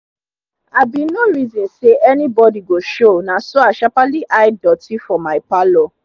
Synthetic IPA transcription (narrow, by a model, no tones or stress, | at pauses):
abinoɾizɔ̃nseʔɛnĩbɔdiɡoʃonãsɔaʃapaliʔajdɔtifɔmapalɔ